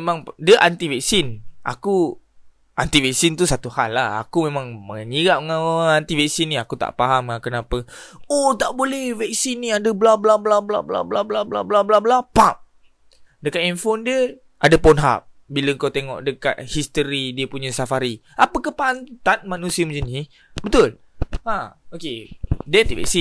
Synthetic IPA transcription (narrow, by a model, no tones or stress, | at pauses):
mãŋdəʔant̪ivɛk̚sinʔa̰ku | ʔant̪ivɛk̚sint̪usat̪uhalːaha̰kumemãŋməniɡaʔ̚əŋaant̪ivɛksinːiakut̪a̰ʔpaɦamakənapəot̪aʔbolɛhvɛk̚sinːiadəblablablabla̰bla̰blablablablablablapap̚ | dəkat̪̚infondiə | ʔadapɔnɦa̰p̚ | biləəŋkat̪eŋɔ̰ʔdəka̰t̪̚hist̪əɾidiəpuɲəsafaɾiapəkahpant̪at̪̚manusiəmə̃ɲd͡ʒəni | bət̪ʊl | aokedəant̪ivɛ̰k̚si